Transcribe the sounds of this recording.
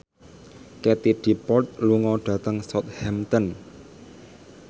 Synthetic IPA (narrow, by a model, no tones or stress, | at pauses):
kɛt̪iɖ̥i̤pɔt̪̚luŋɔɖ̥ä̤t̪əŋsɔt̪̚hɛmt̪ən